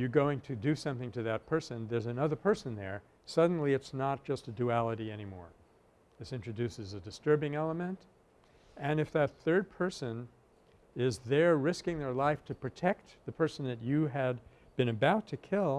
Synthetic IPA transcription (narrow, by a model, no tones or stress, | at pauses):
jə˞ɡoʊɪ̃ŋtʰɨdɨsʌ̃mθɪ̃ŋtʰɨðɨt̚pʰɜ˞sɨ̃nðə˞zɨnʌðə˞pʰɜ˞sɨ̃n̩ðə̰˞ | sʌdⁿn̩liɨtsnət̚d̥ʒ̥ʌstɨdʉælˠəɾiɛñimɔ̰ɹ | ðɪsɪ̃nt͡ʃɹ̥ɨdʉsɨzɨdɨstɜ˞bɪ̃ŋɛlˠəmɨ̃nt | ɨ̃nɨfðɨt̪̚θɜ˞d̚pʰɜ˞sɨ̃n | ɪzðə˞ɹɪskɪ̃ŋðə˞laɪftʰɨpʰɹ̥ɨtʰɛk̚t̪̚ðɨpʰɜ˞sn̩ðɨt͡ʃɨɨd | bɨ̃ñɨbaʊtʰɨkʰɪlˠ